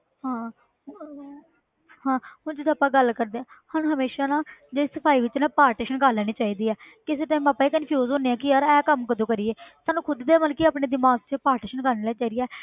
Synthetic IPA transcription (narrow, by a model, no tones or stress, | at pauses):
hãː | hãːɦʊnd͡ʒɪd̪aːpːãːɡəlkəɾd̪eːãːhanːɦəmeːʃaːnãːd͡ʒeɪsəpʰaːiːʋɪt͡ʃnãːpaːɾʈeːʃənkaːlɛːñiːt͡ʃaːiːd̪iːɛːkɪs̬eːʈ̪ãmaːpːaːeːkənpʰjuːzoːneːãːkɪəɾɛːkəmkəd̪oːkəɾieːsaːnũːkʰʊd̪d̪eːməlkiaːpneːd̪ɪmaːst͡ʃəpaːɾʈeːʃənkaːɾneːlaːt͡ʃaːid̪iːɛː